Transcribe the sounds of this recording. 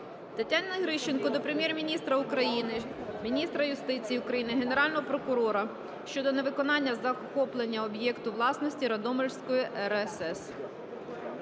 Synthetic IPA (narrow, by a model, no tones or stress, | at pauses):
t̪ɐtʲːɑnɐɦɾɪʃt͡ʃenkɔd̪ɔpɾemʲjɛrmʲinʲist̪ɾɐukɾɐjinɪmʲinʲist̪ɾɐjʊst̪ɪt͡sʲijːʊkɾɐjinɪɦene̞ɾɑlʲnɔɦɔpɾɔkʊɾɔɾɐ | ʃt͡ʃɔd̪ɔne̞ʋɪkɔnɑnʲːɐzɐxɔplˠenʲːɐɔbjɛkt̪ʊʋlˠɑsnɔsʲtʲiɾɐd̪ɔmɔlʲsʲkɔjiʔɛɾɛsɛs